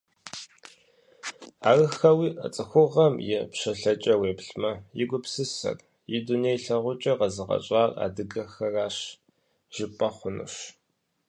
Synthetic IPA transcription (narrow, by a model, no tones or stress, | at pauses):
a̰ːrɨxɐwiːʔə̰t͡sʼɨxʷʊʁɐmjɪ̰pɕɐɬɐt͡ʃʼɐweːpɬmɐjɪɡʷʊpsɨsɐ̰r | jɪdunejɬɐʁʷʊt͡ʃʼɐqɐzɨʁɐ̰ɕʼɑːra̰ːdɨɡɐxɐraːɕ | ʒ̥ɪpʼɐχʷʊnṵʃ